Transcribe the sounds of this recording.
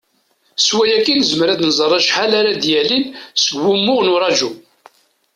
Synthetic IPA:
swæjækːinzməɾæd̪nzˤərˤːɑʃħalaɾad̪jælinsəɡːumːʊʁnʊɾˤɑʒu

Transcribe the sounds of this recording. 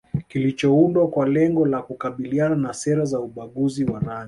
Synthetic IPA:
kilit͡ʃɔundwakwalɛŋɡɔlakukaɓiliananasɛɾazauɓaɠuziwanaɲi

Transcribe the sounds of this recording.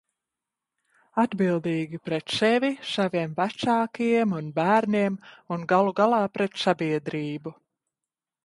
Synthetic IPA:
ad̪bilˠd̪iːɡʲipɾɛt̪sɛvisaviɛmvæsaːkijɛmunbæːɾniɛmunɡalˠuɡalˠɑːpɾɛt̪sabiɛd̪ɾiːbu

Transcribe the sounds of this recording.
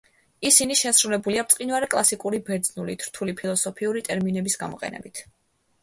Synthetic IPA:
isiniʃɛsɾulɛbuliapt̪sʼqʼinvwaɾɛkʼlˠasikʼuɾibɛɾd̪znulit̪ʰɾt̪ʰulipʰilˠɔsɔpʰiuɾit̪ʼɛɾminɛbisɡamɔ̰qʼɛ̰nɛ̰bit̪ʰ

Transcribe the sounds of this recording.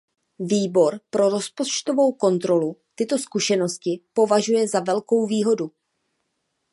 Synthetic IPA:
viːbo̞ɾpɾo̞ɾo̞spot͡ʃt̪o̞vo̞wko̞nt̪ɾo̞lut̪ɪt̪o̞skuʃɛno̞scɪpo̞vaʒujɛzavɛlko̞wviːɦo̞du

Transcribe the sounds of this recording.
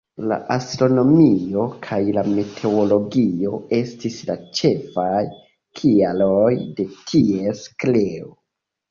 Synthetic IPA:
la̰ʔastɾo̞no̞mio̞kʰajlame̞tʰe̞olo̞ɡio̞e̞stislat͡ʃe̞faj | kʰialojde̞tʰie̞skleo

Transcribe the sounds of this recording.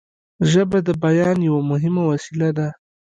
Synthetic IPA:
ʒəbad̪əbajɑnjawamʊɦɪmawasilad̪a

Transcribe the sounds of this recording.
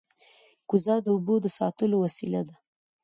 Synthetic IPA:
ɡ̥ʊzɑd̪əubod̪əsɑ̰t̪əlowasilad̪a

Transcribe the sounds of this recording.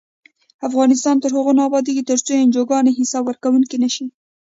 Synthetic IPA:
afɣɑnɪs̬t̪ɑnt̪əɾhʊɣonɑbɑd̪iket̪əɾt͡sojend͡ʒoɡɑneɦɪsɑbwəɾkawuŋkinaʃi

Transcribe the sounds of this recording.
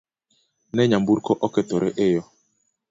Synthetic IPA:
nɛɲambuɾkɔʔɔkɛt̪ɔɾʔɛʔɪjɔ

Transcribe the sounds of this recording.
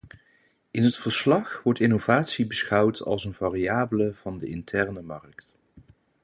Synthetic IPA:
ɪnɦətfəɹslɑχʋɔɹtɪnovaːtsibəsχʌwtʰɑ̰lˠsənvaːriaːbələv̥ɑndəʔɪntʰɛɹnəmɑrkt

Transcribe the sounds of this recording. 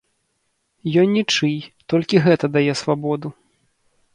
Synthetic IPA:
jɔnʲːit͡ʂɨjt̪ɔlʲkʲiɣɛt̪ɐd̪ajɛsvabɔd̪u

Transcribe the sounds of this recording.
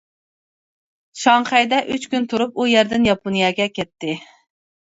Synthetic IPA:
ʃɑŋχɛjd̪ɛʔyt͡ʃkʲynt̪ʰuɾup̚ujɛɾd̪ɪnjɑpunjɛɡʲɛkʲʰɛt̪ːɪ

